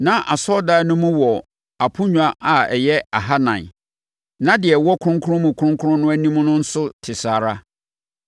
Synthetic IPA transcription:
nã˦ʔa˨sɔ˦daː˦nʊ̃˦mũ˦wɔ˨ | a˨pʰʊ˦ɲᶣu˨a˨ʔa˨ɛ̰˨jɛ˦a˨ɦa˦nã̰˨n˨ | nã˦dɪ˨ɛ˨wɔ˦kʰʊ˦ʊ̃˦ŋkʰʊ˦ɾʊ̃˦mũ˨kʰʊ˦ɾʊ̃˦ŋkʰʊ˦ʊ̃˦nʊ̃˦æ˦nĩ˦m˦nʊ̃˦n̩˦sʊ˦tʰɪ˨saː˨ɾa˦

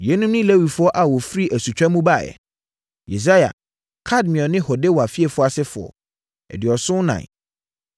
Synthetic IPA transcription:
jɛ˨˦nũ˦mnɪ̃˦le˦wi˨fʊ˦ɔ˦ʔa˨wɔ˨fɾi˦ʔæ˨su˨t͡ɕᶣã˦mũ˦ba˦˨ɛ̰˨ | jḛ˨s̬a˦ja̰˨ | kʰa˦˨d̚mɪ̃˨ɔ˨nɪ̃˦hɔ˨de˦wɔ˨a˨fi˦e˦˨fʊ˦a˨sɪ˦fʊ˨ɔ̰˨ | ɛ̰˨dɪ˨ɔ˨sʊ̃˦nã̰˨

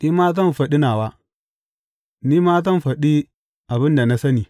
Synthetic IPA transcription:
ni˦maː˦t̬ɐ˦n˨fɐ˨ɗi˦na˨wa˦ | ni˦maː˦t̬a˦n˨fa˨ɗi˦ | a˨bɪ˦nda˨na˦sa˦ni˨

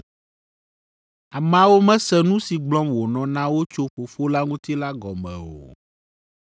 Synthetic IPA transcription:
a˨mã˨wo˦mɛ̃˦sɛ˦nũ˦si˨ɡ͡blɔ̃˦mwo˨nɔ̃˨nã˦wo˦t͡ʃo˦ɸo˨fo˦la˦ŋũ˦t̪i˦la˦ɡɔ˨mɛ̰̃˨o̰˨

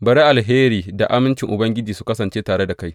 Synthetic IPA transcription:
bɐ˨ɾe˦ʔa˨lɦeː˦ɾiː˨da˨ʔa˦mɪ˦nt͡ʃɪ˨ŋʔʊ˨bɐ˦ŋɡʲɪ˦d͡ʒiː˨su̥˦kɐ˦sɐ˨nt͡ʃeː˦taː˨ɽe˦da˨ka˦j

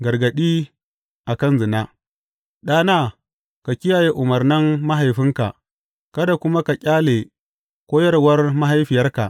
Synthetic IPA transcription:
ɡɐ˨rɡɐ˨ɗiː˦ | ʔa˨kɐ˦˨nzɪ˨naː˦ | ɗaː˦naː˦˨ | ka˨kʲɪ˦jaː˨je˦ʔʊ˨mɐ˨rnɪ˦mːa˦ɦa˨jɸɪ˦ŋka̰˨ʔ | kɐ˦da˨kʷʊ˦ma˦ka˨kʲʼaː˦le˨ | kʷoː˦jɐ˦ɾwɐ˦rma˦ɦa˦jɸɪ˨jɐ˦rka̰˨ʔ

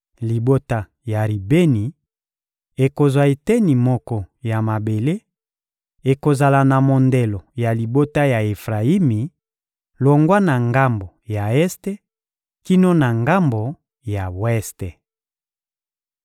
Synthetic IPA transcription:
li˨bo˦ta˦ | ja˨ʁi˨be˦ni˨ | e˨ko˨zwa˨e˨te˦ni˨mɔ˦kɔ˦ja˨ma˨be˨le˦ | e˨ko˨za˨la˨na˨mo˨nde˨lo˨ja˨li˨bo˦ta˦ja˨e˨fʁa˨i˦mi˨ | lo˨ŋɡwa˦na˨ŋɡa˦mbo˨ja˨ɛ˦ste˦ | ki˦no˦na˨ŋɡa˦mbo˨ | ja˨wɛ˦ste˨

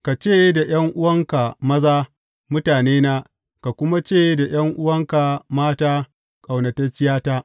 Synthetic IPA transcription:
ka˨t͡ʃeː˦˨je˦da˨j̰ɐ˦ŋʔʊ˦wɐ˦ŋka˨mɐ˦zaː˦ | mʊ˦taː˨neː˦naː˦ | ka˨kʷʊ˦ma˦t͡ʃeː˦˨je˦da˨j̰ɐ˦ŋʔʊ˦wɐ˦ŋka˨maː˦taː˦ | kʼa˨wnɐ˨tɐ˦t͡ʃɪ˦jaː˦taː˦

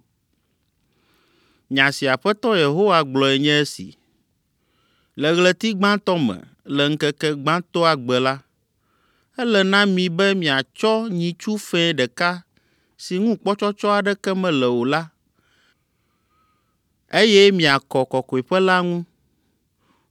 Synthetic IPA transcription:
ɲã˨si˨a˨ɸɛ˦t̪ɔ˦je˨ɦo˦wa˦ɡ͡blɔ˨ɛ˨ɲɛ̃˦ɛ˦sḭ˨ | lɛ˨ɣlɛ˨t̪i˦ɡ͡bã˦t̪ɔ˦mɛ̰̃˨ | lɛ˨ŋ̩˦kɛ˦kɛ˦ɡ͡bã˦t̪ɔ˦a˨ɡ͡bɛ˨la˦ | ɛ˦lɛ˨nã˦mĩ˨bɛ˦mĩ˨a˨t͡ʃɔ˦ɲĩ˨t͡ʃu˦fɛ̃˦ɖɛ˨ka˦ | si˨ŋũ˦k͡pɔ˦t͡ʃɔ˦t͡ʃɔ˦a˨ɖɛ˦kɛ˦mɛ̃˨lɛ˨wo˨la˦ | e˦jɛ˦mĩ˨a˨kɔ˨kɔ˨kɔ˨i˨ɸɛ˦la˦ŋũ˦

